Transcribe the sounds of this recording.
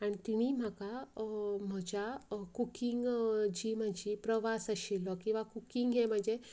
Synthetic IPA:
aɽ̃it̪iniːm̤aka | m̤əd͡ʑakukiŋɡd͡ʑiːm̤əd͡ʑipɾəʋasəɕilɔkĩw̃ʋakukiŋɡɦem̤əɳd͡ze

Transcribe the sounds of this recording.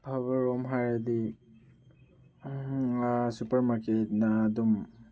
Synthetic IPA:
hʰaβɐɾɔmɦajadi | supɐɾmaɾket̚nadum

